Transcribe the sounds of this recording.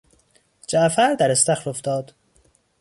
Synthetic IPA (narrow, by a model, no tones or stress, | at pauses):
d͡ʒæʔfæɾd̪æɾest̪æxɾoft̪ɒːd̪̥